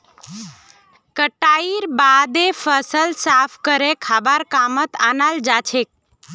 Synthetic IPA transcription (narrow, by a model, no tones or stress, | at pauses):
kəʈaiɾbad̪efʰəsəlsaːpʰkəɾekʰaːbaɾkamət̪anald͡ʒat͡ʃʰek̚